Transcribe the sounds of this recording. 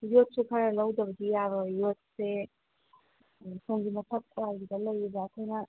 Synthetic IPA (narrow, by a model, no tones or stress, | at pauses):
jot̚sukʰɐɾɐlɐwd̪ɐbəɡijabɐjot̚se | soŋɡimɐpʰɐt̪̚kwalɡidɐlɐjibaːkʰojnɐ